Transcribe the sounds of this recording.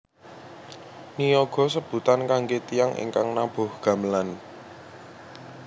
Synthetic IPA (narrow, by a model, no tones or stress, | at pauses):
nijɔɡ̥ɔ̤səb̥ṳt̪ankaŋɡet̪ijaŋʔḛŋkaŋnab̥o̤hɡ̥ä̤məlan